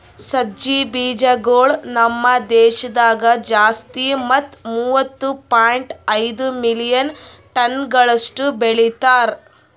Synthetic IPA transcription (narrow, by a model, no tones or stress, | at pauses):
sɐd͡ʒibiːd͡ʒɐɡoːɭnɐmːɐd̪ɛːʃɐd̪aːɡɐd͡ʒaːst̪imɐt̪ːmuːʋɐt̪ːupaːjɳʈɐjd̪umilijɐn | ʈɐnɡɐɭɐsʈubeɭit̪aːɾ